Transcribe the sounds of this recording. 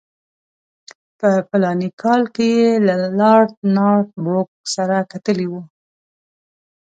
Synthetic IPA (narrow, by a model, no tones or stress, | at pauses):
pəpalɑnikʰɑlkejelalɑɾt̪nɑt̪̚bok̚saɾakat̪əliwu